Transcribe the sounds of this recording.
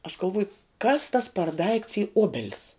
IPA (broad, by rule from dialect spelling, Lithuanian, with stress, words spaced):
ɐʃ ɡɐlˠˈʋuɔjʊ kɐs tɐs pʲɛr dɐɪkts iː ˈoːbʲɛlʲɪs